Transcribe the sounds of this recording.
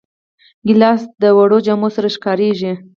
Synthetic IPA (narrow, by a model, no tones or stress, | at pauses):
ɡɪlɑsd̪əwaɽod͡ʒamosaɾaʃkɑɾeʒi